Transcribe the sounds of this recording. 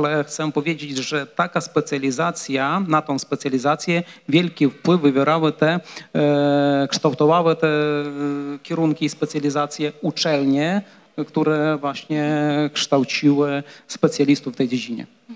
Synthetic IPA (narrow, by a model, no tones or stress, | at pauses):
alɛxt̪sɛpɔvʲjed͡ʑed͡ʑʐɛt̪akaspɛt̪sʲjalʲizat̪sʲjanat̪ɔ̃w̃spɛt̪sʲjalʲizat̪sʲjɛvʲjɛlkʲifpwɘvːɨvʲjɛɾawɛt̪ɛ | kʂt̪awt̪ɔvawɛt̪ɛ | kʲɛɾunkʲiːspɛt̪sjalʲizat̪sʲjɛut͡ʂɛlɲɛ | kt̪uɾɛvwaɕɲɛkʂt̪awt͡ɕiwɘspɛt̪sʲjalʲist̪ufːt̪ɛjd͡ʑed͡ʑiɲɛ̰